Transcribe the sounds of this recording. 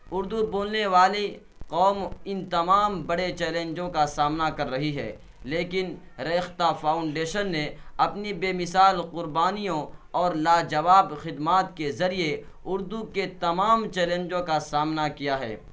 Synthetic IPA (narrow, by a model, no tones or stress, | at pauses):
ʊɾd̪uboːlneʋaːli | qɔːmɪnt̪ɐmaːmbɐɽet͡ʃɛːlẽːɲd͡ʒõkasaːmnakɐɾːɐɦiɦɛ̰ː | leːkɪn | ɾeːxt̪afʰaːʊɳɖeːʃənːeɐpnibeːmɪsaːlqʊɾbaːnijõɔːɾlaːd͡ʒɐʋaːbxɪd̪maːt̪kezɐɾie | ʊɾd̪uket̪ɐmaːmt͡ʃɛːlẽːnd͡ʒõkasaːmnakijaɦɛ̰ː